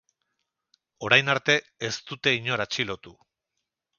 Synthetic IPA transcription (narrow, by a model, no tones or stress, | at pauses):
o̞ɾajnaɾt̪e̞ | est̪ut̪e̞iɲo̞ɾat͡ʃilo̞t̪u